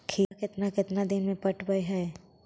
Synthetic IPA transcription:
kʰiːkɪt̪nakɪt̪nad̪ɪnmẽpɐʈbəiɦɛː

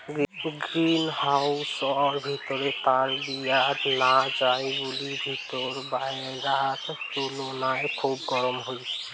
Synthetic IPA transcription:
ɡɡɾinhausɔɾbʱit̪ɔɾepaɾbijat̪nad͡ʒajbulibʱit̪ɔɾbaj | ɾaɦat̪t͡ʃolonajkʰubɡɔɾəmɦojt͡ʃʰɛ

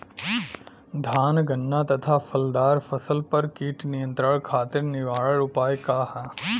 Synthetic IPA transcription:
d̪ʱaːnɡɐnːat̪ɐt̪ʰafʰɐld̪aːɾfɐsəlpɐɾkiːʈnijə̃nt̪ɾəɽkʰaːt̪ɪɾnɪʋaːɭəɭʊpaːjkaːhɛː

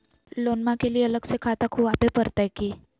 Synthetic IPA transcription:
lonmakeliːələɡsekʰat̪akʰuːapepəɾt̪ajki

